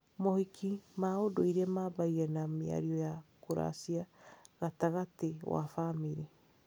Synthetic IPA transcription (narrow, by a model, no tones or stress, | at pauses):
mohikʰimaodoiɾɛmaːbaiɣɛnamea̰ɾiɔjakoɾa̰siaɣataɣatewa̰famiɾi